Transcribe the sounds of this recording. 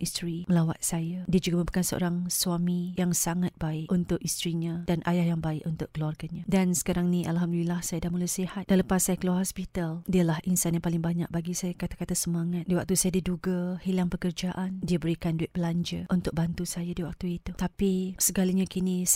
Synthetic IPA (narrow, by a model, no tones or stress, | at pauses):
ist̪ɾiməlawa̰t̪̚sajadiad͡ʒuɡaməmbəkansəo̰ɾaŋsuamijaŋsaŋat̪̚baɪʔunt̪ʊʔist̪ɾiɲãd̥anʔajahjaŋbaɪʔunt̪ʊʔ̚kəluarkanɲãdansə̥kaɾaŋnĩʔalɦamdulilahsajadaʔmulusihat̪̚d̥aləpasːajakəluarhɔspit̪aldiəlahʔinsanjapalɪŋbaɲa̰k̚baɡisajakat̪ḁkat̪asəmaŋat̪̚diwak̚t̪usajadiduɡahilaŋpəkərd͡ʒaʔandiəbəɾikanduɪʔ̪̚bəlaɲd͡ʒəʔunt̪ʊk̚bant̪usajadiwak̚t̪uit̪ut̪apisəɡalaɲãkinĩ